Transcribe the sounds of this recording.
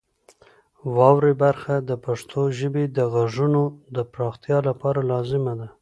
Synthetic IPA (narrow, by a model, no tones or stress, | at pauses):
wɑwɾebaɾxad̪əpaʂt̪ʰoʒəbed̪əɣaʐunod̪əpɾɑxt̪jɑlapɑɾalɑzɪmad̪a